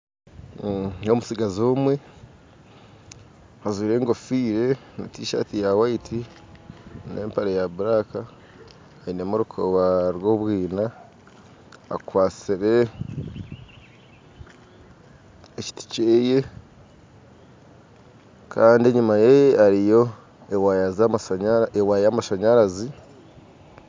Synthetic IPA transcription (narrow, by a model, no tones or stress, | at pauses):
omusiɡazoːmwe̞ | hazwiːɾe̞ːŋɡo̞fiːɾe̞ | netiːʃa̰tijawaitʰi | ne̞̰ːmpaɾejaβuɾaːkaː | ine̞muɾukʰoβaɾwo̞βwiːna | a̰kwaːt͡siɾe̞ | eci̥ti̥ceːje̞ | kʰaːndieɲumajeaɾijo̞ | ewajaz | ewajamaʃaɲaɾazi